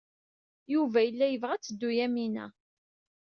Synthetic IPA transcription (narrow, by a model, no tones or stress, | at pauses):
juvæjəlːæjəvʁæt͡sːəd̪ːujæminæ̰